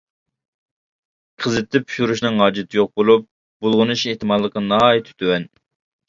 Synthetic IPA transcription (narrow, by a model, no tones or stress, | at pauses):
qʰəzɪt̪ːɛpʰy̥ʃuɾuʃnɨŋɦɑːd͡ʒɪt̪ʰɪjoq̚bolˠup̚ | bolˠʁʊnuʃeht̪ɨmɑllˠəqɑnɑjit̪ʰɪ̥t̪ʰywɛn